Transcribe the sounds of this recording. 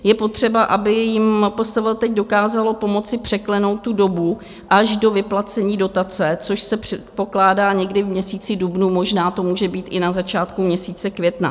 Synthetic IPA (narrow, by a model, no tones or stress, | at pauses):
jɛpo̞t̪r̝̥ɛbaʔabɪjɪmpo̞st̪avɪlt̪ɛɟdo̞kaːzalo̞po̞mo̞t͡sɪpr̥ɛklɛno̞wt̪̚tːudo̞bu | ʔaʒdo̞vɪplat͡sɛɲiːdo̞t̪at͡sɛt͡so̞ʃsɛpr̥ɛt̪̚po̞klaːdaːɲɛɡdɪvmɲɛsiːt͡sɪdubnuːmo̞ʒnaːt̪o̞muːʒɛbiːt̪ʔɪnazat͡ʃaːt̪kumɲɛsiːt͡sɛkvjɛt̪na̰